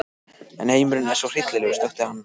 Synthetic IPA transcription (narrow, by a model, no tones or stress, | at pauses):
ɛ̰nheːjmʏɾʏnasor̥ɪjt̪lɪlɛɣʏst̪œxt̪ɪhanː